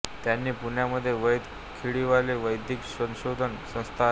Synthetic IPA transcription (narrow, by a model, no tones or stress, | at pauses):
t̪janːiːpunjaməd̪ʱːjeʋəjd̪ | kʰiɭiʋaleʋəjd̪ʱiksə̃ɕod̪ʱənsə̃st̪ʰa